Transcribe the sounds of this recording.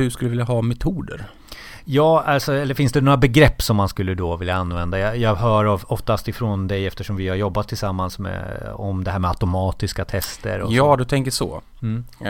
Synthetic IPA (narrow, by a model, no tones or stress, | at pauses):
hɵʂkɵld̪vɪljaɦɑːmɛt̪ʰuːd̪ə̰ɾ | jɑːalsɔɛlːəɾfɪnsd̪ɛnoːɾabɛɡɾɛpːsɔmːanskɵlːəd̪ɔvɪljaanːvɛnd̪ajɑjɑːɡɦœːɾavɔft̪ast̪ɪfɾoːnd̪ɛjɛft̪əʂɔmvɪhaɾjɔbːat̪ʰːɪlsamːansmɛ̰ɔ̰md̪ɛɦæːɾmɛat̪ʊmɑːt̪ɪskat̪ʰɛst̪ə̰ɾɔ̰jɑːd̪ɵt̪ʰɛŋkəʂɔ̰ | m̩ː